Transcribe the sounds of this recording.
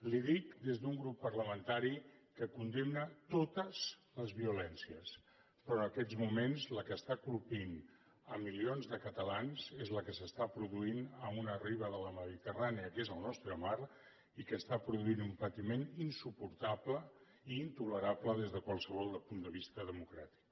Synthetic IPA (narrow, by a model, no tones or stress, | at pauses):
liðik̚d̪ezðuŋɡɾupːərləmənt̪aɾikəkund̪emnət̪ot̪əzləzβiulɛnsiəs | pɾɔənəkɛzmumenzləkəst̪akulˠpin | ə̰mːilionzðəkət̪əlanzezləkəsəst̪apɾuðuinəmunəriβəðələməðit̪əraniəkezəlˠnɔst̪ɾəmaɾ | ikəst̪apɾuðuinumpət̪imeninsupuɾt̪aplə | iːnt̪uləɾapləðezðəkwalˠsəβɔlˠd̪əpund̪əβ̞ist̪əðəmukɾat̪i̥k